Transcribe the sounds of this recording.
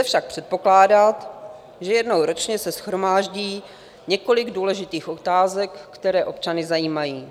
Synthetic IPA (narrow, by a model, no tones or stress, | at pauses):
ɛfʃak̚pr̝̥ɛt̪̚po̞klaːdat̪ | ʒɛjɛdnowɾo̞t͡ʃɲɛsɛsxɾo̞maːʒɟiː | ɲɛko̞lɪɡduːlɛʒɪt̪iːxo̞t̪aːzɛkːt̪ɛɾɛːʔo̞pt͡ʃanɪzajiːmajiː